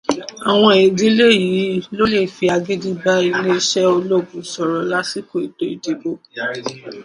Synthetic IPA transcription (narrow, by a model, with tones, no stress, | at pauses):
a˨w̃ɔ̃˧e˨di˦le˦˨ji˨˦lo˦le˦˨fi˧a˧ɡe˦di˦ba˦i˧le˦ʃɛ˦o˧lo˦˨ɡũ˨sɔ˨ɾɔ˨la˦si˦ko˦˨i˨do˨˦i˨de˨bo˦